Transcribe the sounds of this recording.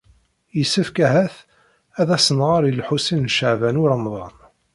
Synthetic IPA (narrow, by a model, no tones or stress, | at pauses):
jəsːəfkæɦæθ | æðæsənʁaɾˤilħusinnʃəʕvænʊɾəmðˤɑ̰n